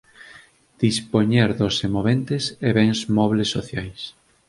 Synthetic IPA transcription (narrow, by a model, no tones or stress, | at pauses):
d̪̥ispoɲeɾðosemoβent̪eseβɛŋzmɔβlesːoθjajs